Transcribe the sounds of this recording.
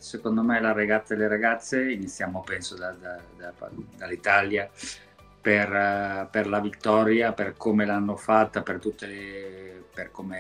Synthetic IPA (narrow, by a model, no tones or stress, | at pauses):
sekond̪omelaɾaɡat̪saleɾaɡat̪sːeinit̪sːjaːmopɛnsod̪ad̪ad̪ad̪alːit̪alja | perperlavit̪ːɔːɾjaperkomelanːofat̪ːapert̪ut̪ːe | perkome